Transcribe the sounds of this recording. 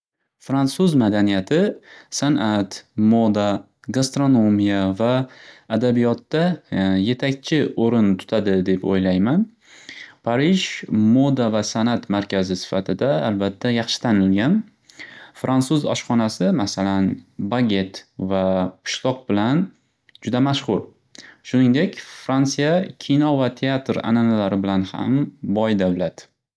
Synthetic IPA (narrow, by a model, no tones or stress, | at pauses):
fɾansuzmad̪anijat̪ʰɪsanʔat̪mod̪a | ɡast̪ɾo̞nomijavaːd̪abijɒt̪ːaje̞t̪ʰakʲt͡ʃʰɪoɾɪnt̪ʰʊ̥t̪ʰad̪ɪd̪e̞po̰jlajman | pʰaɾɪʒmod̪avasanat̪maɾkʲʰazɪsɪ̥fat̪ʰɪd̪aa̰lbat̪ʰːajɑχʃɪ̥t̪ʰanɪlɡʲan | fɾant̪suzɒ̰ʃχɒnasɪmasalanbaɡʲe̞t̪vapʰʊ̥ʃlˠɒq̚bɪlan | d͡ʒʊd̪amaʃχʊɾ | ʃʊnɪŋd̪e̞kʲfɾant̪sijakʲʰinɒvat̪ʰe̞at̪ɾa̰nanalaɾɪbɪlanha̰mbɒjd̪awlat̪